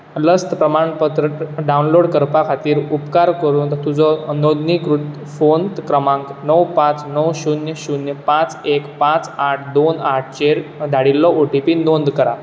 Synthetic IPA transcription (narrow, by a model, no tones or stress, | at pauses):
ləst̪pɾəmaɳpət̪ɾəʈɖawunloɽkəɾpakʰat̪iːɾupkaɾkəɾuːnt̪t̪ud͡zɔnod̪nikɾut̪ | font̪kɾəmãŋknəwpãt͡snəwɕunjəɕunjəpãt͡sekpãt͡saʈʰd̪onaʈʰt͡ɕeɾd̪ʱaɽilːɔʔoʈipiːnond̪kəɾa